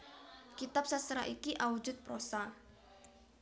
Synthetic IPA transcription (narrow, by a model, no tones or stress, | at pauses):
kit̪ap̚sasəɾa̰ʔikiʔawud͡ʒʊt̪̚pɾosa